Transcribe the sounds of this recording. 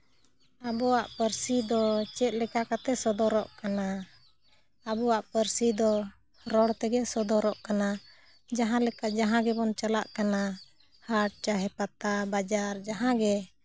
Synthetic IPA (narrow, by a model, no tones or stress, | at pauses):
abɔwaʔpəɾsid̪ɔt͡ʃɛt̪̚ˀlɛkakat̪ɛsɔd̪ɔɾɔʔkana | abɔwaʔpəɾsid̪ɔ | ɾɔɽt̪ɛɡɛsɔd̪ɔɾɔʔkana | d͡ʒaɦãlɛkaʔd͡ʒaɦãɡɛbɔnt͡ʃalaʔkana | haʈ̚t͡ʃaɦɛpat̪abad͡ʒaɾd͡ʒaɦãɡɛ